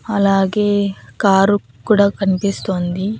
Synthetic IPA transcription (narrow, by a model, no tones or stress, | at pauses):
ɐlaːɡe̞ːkaːɾu | kuːɽaːkɐnipist̪oːnd̪i